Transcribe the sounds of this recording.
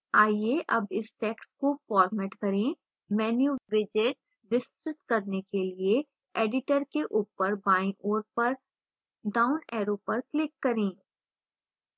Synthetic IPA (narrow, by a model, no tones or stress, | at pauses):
aːjeʔɐbɪsʈeːkskofɔːɾmɛːʈkɐɾẽ | mɛːnjuʋɪd͡ʒɪʈs | ʋɪst̪ɾɪt̪kɐɾnekelie | eːɖɪʈəɾkeʔuːpəɾbaːɪ̃ʔoːɾpɐɾ | ɖaːʊnɛːɾopɐɾklɪkːɐɾẽː